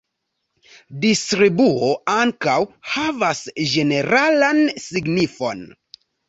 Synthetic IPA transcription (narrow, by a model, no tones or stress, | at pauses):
distɾibuoaŋkawhavasd͡ʒe̞ne̞ɾalansiɡnifo̞̰n